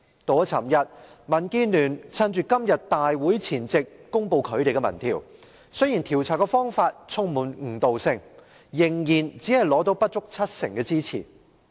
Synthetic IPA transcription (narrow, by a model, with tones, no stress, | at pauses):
t̪o˨˥t͡sʰɐ˨˩mjɐ˨t̚mɐ˨˩nki˥nyː˨˩nt͡sʰɐ˥nt͡ʃyː˨kɐ˥mjɐ˨t̚t̪aː˨jwuː˨˥jt͡sʰiː˨˩nt͡sɪ˨kːʊ˥ŋpo˧wkʰɵ˨˧ɥt̪e˨jkɛ˧mɐ̰˨˩nt̪ʰḭː˨˩w | sɵ˥jiː˨˩nt̪ʰiː˨˩wt͡sʰaː˨˩kːɛ˧fɔː˥ŋfaː˧t̚t͡sʰʊ˥ŋmuː˨˩nŋ̩˨˩t̪o˨wsɪ˧ŋ | jɪ˨˩ŋjiː˨˩nt͡siː˨˥hɐ˨jlɔː˨˥t̪̬o˨˥wpɐ˥t̚t͡ʃʊ˥k̚t͡sʰɐ˥t̚sɪ˨˩ŋkɛː˧t͡siː˥t͡sʰḭː˨˩